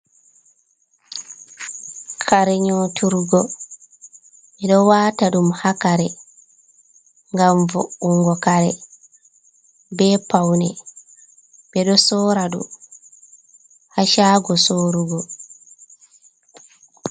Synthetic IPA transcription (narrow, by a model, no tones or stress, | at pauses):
kʰaɾɛɲoːtuɾɡɔ | ɓɛɗɔwaːtaɗumhakaɾɛ | ŋɡaɱvɔ̰uŋɡɔkaɾɛ | bɛpawnɛ | bɛɗɔsɔːɾaɗṵ | haʃaːɡɔsoːɾuɡɔ